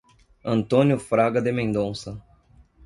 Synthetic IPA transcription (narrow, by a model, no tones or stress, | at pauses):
ɐ̃nt̪õnjʊfɾaɡɐd̪ɪmẽnd̪õsɐ